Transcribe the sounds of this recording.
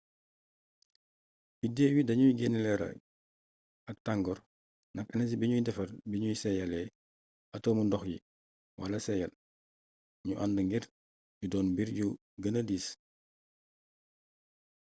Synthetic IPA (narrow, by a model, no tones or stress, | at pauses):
bideːwidɐɲuiɡenlɛɾɐ̰ | ɐk̚taŋɡɔɾ | nɐkɐnɐs̬ibiɲujindɛfɐrbiɲujisɛjɐlɛ | ɐtoːmundɔxjḭ | wʔalɐsɛjɐl | ɲuʔandəŋɡiɾ | ɟudɔːnbiɾɟu | ɡɐnɐdiːs